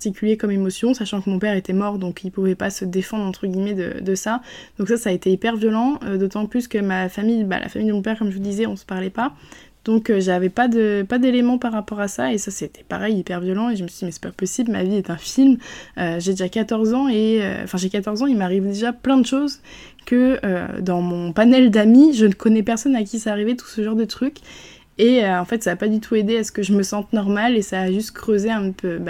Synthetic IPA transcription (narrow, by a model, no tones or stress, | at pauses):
pat̪ikʲyljekɔmemɔsjɔ̃saʃɑ̃kəmɔ̃pɛʁet̪ɛmɔʁd̪ɔ̃kilpuvɛpasəd̪efɑ̃d̪ʁɑ̃t̪χəɡʲimɛd̪ə̰d̪əsad̪̥ɔ̃ksasaːet̪eipɛʁvjɔlɑ̃d̪ot̪ɑ̃plyskəmafamijba̰lʔa̰famijd̪əmɔ̃pɛʁkɔmʒəvd̪izɛɔ̃sə̥paʁlɛpa | d̪̥ɔ̃køʒavɛpad̪əpad̪elemɑ̃paʁːapɔʁasaesaset̪ɛ̥pa̰ʁɛjipɛʁvjɔlɑ̃eʒəməsɥid̪imɛsɛ̥papɔsiblma̰viɛt̪ɛ̃filmøʒed̪eʒakat̪ɔʁzɑ̃eø̰̃fɛ̃ʒekat̪ɔʁzɑ̃ilmaʁivd̪eʒaplɛ̃d̪əʃoz | kə̰d̪ɑ̃mɔ̃panɛld̪amiʒənəkɔnɛpɛʁsɔnak̬ʲisaːʁivɛt̪u̥səʒɑ̃ʁd̪ət̪χykʲ | eøɑ̃fɛt̪saːpad̪yt̪ʰued̪easkəʒəməsɑ̃t̪nɔʁmalesaːʒyst̪kχøzeɛ̃pʰøba